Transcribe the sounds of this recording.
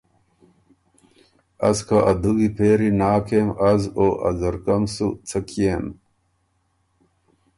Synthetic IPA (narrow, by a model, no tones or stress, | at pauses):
ɐskʰaʔɐd̪uɡipʰeːɾinaːkʰeːmɐzoːʔɐ̰zɐɾkɐmsut͡sʰɐkem